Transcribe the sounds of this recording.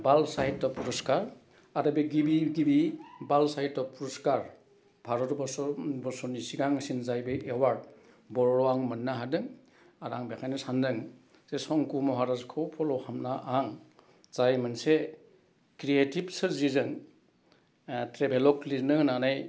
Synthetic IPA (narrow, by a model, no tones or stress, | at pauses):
balsajt̚tːɔpuɾɔskaɾ | aɾɯbeɡibiɡibibalsajt̚ːɔpuɾɔskaɾ | bʱaɾɔtbɔsɔbɔsɔnisiɡaŋsinzajbɯʔewaɾ | bɔɾɾɔaŋmɯnːaɦadɯŋ | aɾaŋbekʰajnɯsandɯŋ | zesɔŋkumɔɦaɾazkʰɔwpʰɔlɔhʰamnaʔaŋ | z̥ajmɯnse | kɾietib̚sɯɾzizɯn | tɾebelɔklinɯnanaj